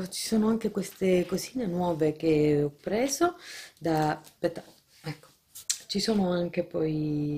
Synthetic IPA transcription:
t͡ʃi̥soːnoaŋkekwest̪ekoziːnenwɔːvek̟eɔpːɾɛːzod̪apet̪a | ɛkːo̥ | t͡ʃisoːnoaŋk̟epɔj

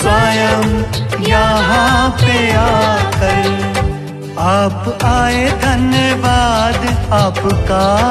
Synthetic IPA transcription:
saːjəmjaːɦãpejaːdkɐɾeː | aːpaːed̪ʱɐnjəʋaːd̪aːpka

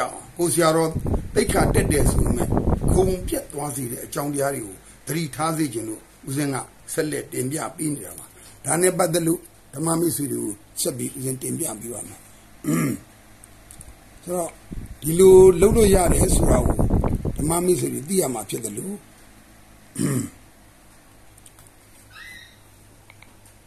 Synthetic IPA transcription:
kosʰɪjaɾɔp̪eɪkʰːatɛtːɛsʰomɛ̰ɡ̥õpjɛt̪ːwazeɾɛ̰ʔət͡ɕãʊ̃t̬əjaɾweɡo | d̪̥əɾḭtʰazed͡ʑɪ̃nd̪o̰ | ʔuzɪ̃ŋɡä̰ | sɛlɛ̰tɪ̃mpja̰peneɾaba | d̥anɛ̰p̬at̪̬ɛlo̰ | d̥əma̰mesweɾḛɡo | sɛpjiʔuzɪ̃ntɪ̃mpja̰peβa̰ma | soɾɔd̥ilolotːo̰ja̰ɾɛsoɾaɡo̰d̥əma̰mes̬wedwet̪̬ḭja̰m̥apʰjɪt̪̚ːəlo

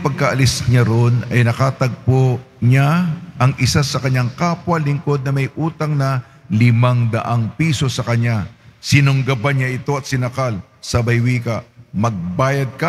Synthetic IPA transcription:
pɐɡ̚kɐʔɐlɪsɲaɾonɐjnɐkat̪ɐɡ̚po | ɲaʔɐŋʔɪsasɐkɐɲaŋkaːpwɐlɪŋko̞d̪̚nɐmɐjʔuːt̪ɐŋnɐ | lɪmaŋd̪ɐ̰ʔaŋpiːso̞sɐkɐɲasɪnʊŋɡɐbaɲaʔɪt̪o̞ɐt̪sɪnɐkal | sɐbɐjwiːkɐmɐɡ̚baːjɐd̪̚kɐ

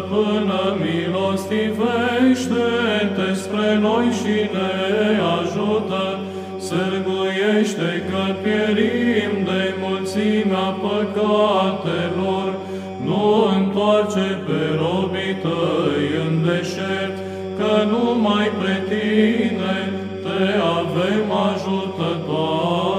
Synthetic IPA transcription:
pɨnəmilo̞st̪iveʃt̪ed̪espɾe̞no̞jʃineaʒut̪ə | səɾɡujeʃt̪ekəpjeɾimd̪e̞mult̪simeapəkat̪elor | nuɨnt̪oart͡ʃepeɾobit̪əjɨnd̪eʃet̪ | kənumajpɾet̪ine | t̪eavemaʒut̪ət̪oa

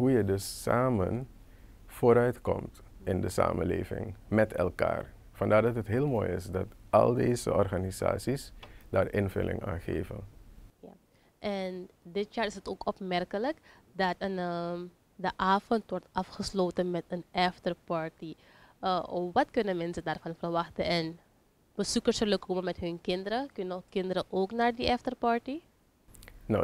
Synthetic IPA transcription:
ɦujədɵsːaːmən | foːɾœɥtkɔmt | ɪndəsa̰ːmə̰nleːvɪ̰ŋmɛtʰɛ̰lˠka̰ːr | fɑndaːɹdɑtətɦɪːlˠmoːjɪsdɑtɑlˠdeːzə̰ʔɔrχaniza̰ːsisdaːrʔɪnvɵ̰lʔɪ̰ŋaːnχeːvənja | ʔɛndɪtjaːrɪsətoːkɔpmɛrkələk | dɑtənə | dəʔaːvɔntʋɔrtɑfχəsloːtənmɛtənɛftərpɑɹti | ʋɑtkʏnəmɛnsədaːrvɑnfərʋɑxtəɛn | b̥əsukərsəlokʰoməmɛtɦɵnkɪndəɾəkʏnənɔkɪndəɾəʔoːknaːrdiʔɛftərpɑɹti | no

